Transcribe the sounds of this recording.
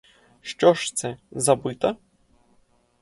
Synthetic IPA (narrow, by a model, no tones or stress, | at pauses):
ʃt͡ʃɔʂt̪sɛzabɨt̪ɐ